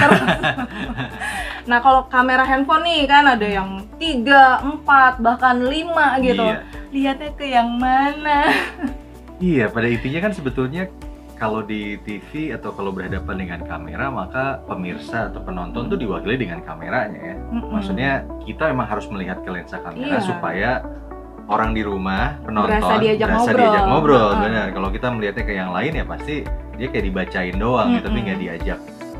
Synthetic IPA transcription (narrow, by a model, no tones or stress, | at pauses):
t̪ər | nahkalokameɾaɦɛnfɔnikanadajaŋt̪iɡaəmpat̪̚bahkanlimaɡit̪ualiɦat̪̚ɲakəjaŋmana | ijapadaint̪iɲakansəbət̪ulɲa | kalowdit̪ifiat̪awkalowbərhadapandəŋankamḛɾamakapəmirsaːt̪awpənɔnt̪ɔnt̪udiwakiladəŋankamḛɾaɲa̰jammaksut̪̚ɲakit̪amemaŋɦaɾʊsməliɦat̪̚kəlɛnsakameɾasupaja | oɾaŋdiɾumahpənɔnaɔadiad͡ʒaəɾasaɾdiad͡ʒak̚mɔbɾɔlbənərkalawkit̪aməliɦat̪̚ɲakəjaŋlaɪnjapast̪idiakajaʔdibat͡ʃaɪndoaŋkit̪at̪uŋɡaʔdiad͡ʒak̚